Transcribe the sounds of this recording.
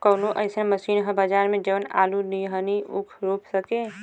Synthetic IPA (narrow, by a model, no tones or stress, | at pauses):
kəːlõʔəɪsẽməsiːnɦəbəd͡ʒaːɾmẽd͡ʒəʋəna̰ːluniɦəniʊkʰɾopsəke